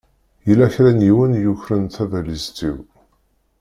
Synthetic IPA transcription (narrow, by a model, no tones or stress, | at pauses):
jəlæçɾænjiwənjuçɾənθævælizt̪ḭw